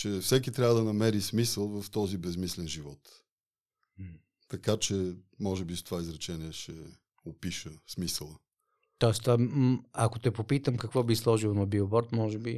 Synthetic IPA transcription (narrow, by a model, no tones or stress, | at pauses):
t͡ʃɛfsɛkit̪ɾʲavəd̪ɐnɐmɛɾismisəlˠvɐft̪ɔzibɛzmislɛnʒivɔt̪ | t̪ɐkat͡ʃɛ | mɔʒɛbist̪ovaizɾɛt͡ʃɛniɛʃɛ | opiʃəsmisəlˠə | t̪ɔɛst̪vaakot̪ɛpopit̪əmkɐkvɔbislˠɔʒilˠonɐbiobɔɾt̪mɔʒɛbi